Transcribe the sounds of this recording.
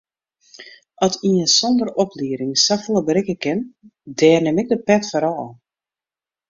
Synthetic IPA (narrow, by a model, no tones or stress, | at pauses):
ɑtʰiənsɔndərɔpliəɾɪŋsafoləbəɾɪkəkɪndɛːrnɪmɪɡ̚dəpɛtfɔɾɔl